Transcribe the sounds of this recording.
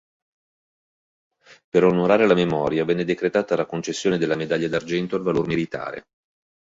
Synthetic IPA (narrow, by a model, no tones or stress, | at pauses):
peɾonoɾaːɾelamemɔːɾjavɛnːed̪ekɾet̪aːt̪alakont͡ʃesːjoːned̪elːamed̪aʎːad̪ard͡ʒɛnt̪oalvalormilit̪a̰ːɾḛ